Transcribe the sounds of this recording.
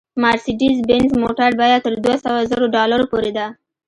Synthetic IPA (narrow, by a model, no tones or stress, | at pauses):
mɑɾsiɖizbɪnzmoʈaɾbɑjad̪̚t̪əɾd̪wasawazəɾoɖɑlaɾopoɾed̪a